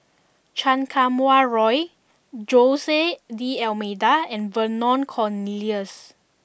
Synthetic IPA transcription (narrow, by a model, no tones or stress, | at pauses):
t͡ʃãnkʰamwaɹɔj | d͡ʒosediɛlmedaɛ̃nvənɔ̃nkʰɔniliəs